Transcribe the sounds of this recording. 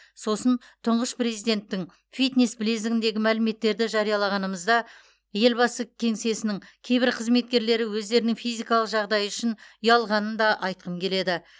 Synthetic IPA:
so̞sən | t̪ʰəɴʁəspre̞zijd̪ʲe̞nt̪ːɪŋ | fijt̪nesbɪlezɪɡɪnd̪e̞ɡʲɪmælɪme̞t̪ːe̞ɾd̪ɪʒɑɾijɑlˠɑʁɑnəməzd̪ɑ | je̞lbɑsəkʲʰe̞ŋse̞sɪnɪŋkʲʰe̞jbɪɾqʰəzme̞t̪̚kʲe̞ɾle̞ɾɪwɵzd̪e̞ɾɪnɪŋfijzʲijkɑlˠəqʒɑʁd̪ɑjʏʃɪnʊjɑlˠʁɑnənd̪ɑʔɑjt̪̚qəmkʲʰe̞le̞d̪ɪ

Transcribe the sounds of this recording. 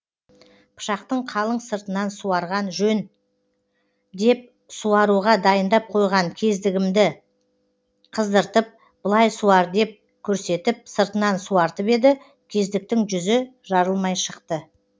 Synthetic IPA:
pʰə̥ʃɑqt̪əɴqʰɑlˠəɴsəɾt̪ənɑnsuɑɾʁɑnʒɵn | d̪e̞p̚ | suɑɾuʁɑd̪ɑjənd̪ɑp̚qʰo̞jʁɑŋkʲʰe̞zd̪ɪɡʲɪmd̪ɪ | qʰəzd̪əɾt̪əp̚ | b̥əlˠɑjsuɑɾd̪e̞p̚ | kʲʰɵɾse̞t̪ɪp̚səɾt̪ənɑnsuɑɾt̪əpe̞d̪ɪ | kʲʰe̞zd̪ɪk̚t̪ɪŋʒʏzɪʒɑɾəlˠmɑjʃəqt̪ə

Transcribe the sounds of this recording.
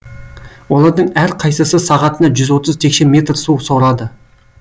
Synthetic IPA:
wolˠɑɾd̪əɴæɾqʰɑjsəsəsɑʁɑt̪ənɑʒʏzwo̞t̪əzt̪ʰekʃeme̞t̪ɾsuwsoɾɑd̪ə

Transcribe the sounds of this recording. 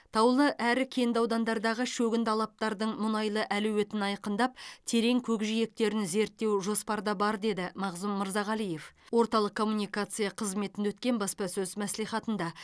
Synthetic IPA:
t̪ʰɑwlˠəʔæɾɪkʲʰe̞nd̪ɑwd̪ɑnd̪ɑɾd̪ɑʁəʃɵɡʲɪnt̪ʰɑlˠɑp̚t̪ɑɾd̪əɴmʊnɑjlˠəʔæluwe̞t̪ɪnɑjqənd̪ɑp̚t̪ʰe̞ɾe̞ŋkʲʰɵkʒije̞k̚t̪e̞ɾɪnze̞ɾt̪ːe̞wʒo̞spɑɾd̪ɑbɑɾd̪e̞d̪ɪmɑʁzʊmːəɾzɑʁɑlˠije̞fwo̞ɾt̪ɑlˠəqkʰːo̞mːunijkat̪sɨjɑqʰəzme̞t̪ɪnd̪eɵt̪kʲe̞nbɑspɑsɵzmæslijχɑt̪ənd̪ɑ

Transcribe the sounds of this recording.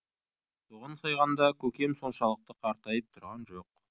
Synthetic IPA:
t̪ʰuʁənsɑjʁɑnd̪ɑkʲʰɵkʲe̞mso̞nʃɑlˠəq̚t̪əqʰɑɾt̪ɑjəp̚t̪ʰʊɾʁɑnʒo̞q

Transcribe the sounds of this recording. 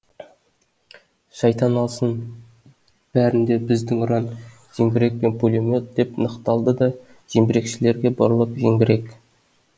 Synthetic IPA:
ʃɑjt̪ɑnɑlˠsən | b̥æɾɪnd̪e̞bɪzd̪ɪŋʊɾɑn | ʒ̥eŋbʲɪɾe̞k̚pe̞npʰulʲomʲot̪̚d̪e̞pnəqt̪ɑlˠd̪əd̪ɑ | ʒ̥embɪɾe̞kʃɪle̞ɾɡʲe̞bɑɾlˠəqʒeŋɡʲɪɾe̞k

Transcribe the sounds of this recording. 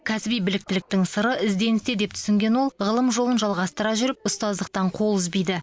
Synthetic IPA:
kʲʰæsɪbijbɪlɪk̚t̪ɪlɪk̚t̪ɪŋsəɾəʔɪzd̪e̞nɪst̪ed̪e̞p̚t̪ʰʏ̥sɪŋɡʲe̞nwo̞lˠʁəlˠəmʒolˠənʒɑlˠʁɑst̪əɾɑʒʏɾɪp̚ʊst̪ɑzd̪əq̚t̪ɑɴqʰo̞lˠʏzbijd̪ɪ

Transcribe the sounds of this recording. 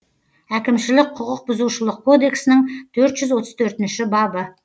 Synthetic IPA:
ækʲɪmʃɪlɪk̚ʲqʰʊqəq̚bʊzuwʃəlˠəq̚kʰo̞d̪e̞ksɪnɪɴt̪ʰɵɾt̪ʒʏzwo̞t̪əz̥t̪ʰɵɾt̪ɪnʃɪbɑbə

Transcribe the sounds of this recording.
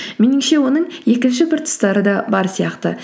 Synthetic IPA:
menɪŋʃe̞wo̞nəɴje̞kʲɪnʃɪpʰʊɾt̪ə̥st̪ɑɾəd̪ɑbɑɾsijɑqt̪ə̰

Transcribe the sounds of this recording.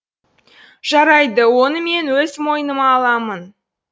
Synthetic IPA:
ʒ̥ɑɾɑjd̪əwo̞nəme̞nwɵzmo̞jənəmɑːlˠɑmən

